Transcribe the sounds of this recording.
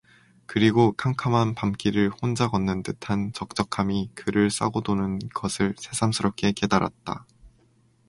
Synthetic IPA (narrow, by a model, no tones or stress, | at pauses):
kɯɾiɡokʰamkʰamanpamk͈iɾɯɭhond͡ʑaɡʌnːɯntɯtʰant͡ɕʌk̚t͡ɕ͈ʌkʰamikɯɾɯɭs͈a̰ɡodonɯnɡʌsʰɯɭsʰe̞sʰamsʰɯɾʌp̚k͈e̞ke̞daɾa̰t̚t͈a̰